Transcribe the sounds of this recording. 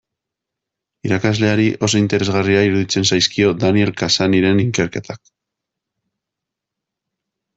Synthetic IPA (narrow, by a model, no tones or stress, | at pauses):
iɾakazle̞aɾiʔo̞so̞int̪e̞ɾe̞zɣariaiɾuðit͡se̞nsajskio̞d̪anie̞lkasaniɾe̞niŋke̞ɾke̞t̪ʰak